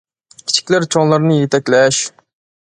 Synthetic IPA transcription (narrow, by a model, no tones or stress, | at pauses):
kʲʰi̥t͡ʃʰi̥kʲlæɾt͡ʃʰɔnlˠɑɾnɨjet̪ʰɛkʲlɛʃ